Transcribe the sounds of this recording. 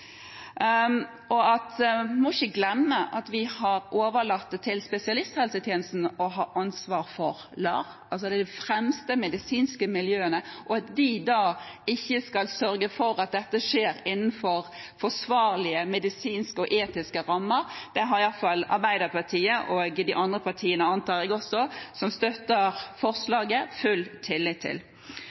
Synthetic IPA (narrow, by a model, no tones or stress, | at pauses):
ʔɔɑt̪mɔɪçəɡlɛmːəʔɑt̪ʋɪhɑɾʔoːʋəɭɑt̪ʰːɪlspɛsɪɑlɪst̪hɛlsət̪ʰjeːnəst̪n̩ɔɦɑːʔɑnsʋɑːɾfɔɾ | lɑːʁ | ɑls̬ɔd̪ɛd̪ɪfɾɛmst̪əmɛd̪ɪsiːnskəmɪljøːənəʔɔɑt̪d̪ɪd̪ɑː | ɪçːəskɑlsœɾɡəfɔɾɑt̪̚d̪ɛt̪ːəʂeːɾɪnən̩fɔʁ | fɔsʋɑːɾlɪəmɛd̪ɪsiːnskəɔʔeːt̪ɪskəɾɑmːəɾd̪̥ɛɦɑɾɪjɑfɑlɑ̰ɾbæɪd̪əpʰɑt̪ʰiːəʔoːɡd̪ɪʔɑnd̪ʁəpʰɑt̪ʰiːənəɑnt̪ʰɑːɾɛɡɔsɔsɔmst̪œt̪ːəɾfɔʁslɑːɡəfʉlt̪ʰːɪlːɪt̪ʰːɪ̰l